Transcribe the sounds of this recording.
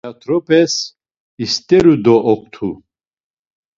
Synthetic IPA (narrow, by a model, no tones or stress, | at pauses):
at̪ʰɾɔpʰɛs | ist̪ʼɛɾud̪ɔʔɔkʰt̪ʰu